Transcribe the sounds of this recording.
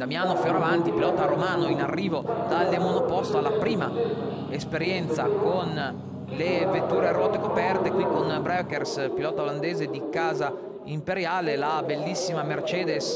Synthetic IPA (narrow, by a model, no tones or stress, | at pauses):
d̪amjaːnofjoːɾavant̪ipilɔːt̪aɾomaːnoinarːiːvod̪̥alːemonopɔst̪oalːapɾiːma | espeɾjɛnt̪sakon | levet̪ːuːɾerɔːt̪ekopɛrt̪ekwikonbɾɛkerspilɔːt̪aoland̪eːzed̪ikaːza | impeɾjaːlelabelːisːimamert͡ʃɛːd̪es